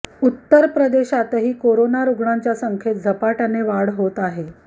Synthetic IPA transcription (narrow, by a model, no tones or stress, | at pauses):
ut̪ːəɾpɾəd̪eɕat̪əɦiːkoɾonaɾuɡɳaɲt͡ɕjasəŋkʰet̪̚d͡zʱəpaʈaneʋaɽɦot̪aɦe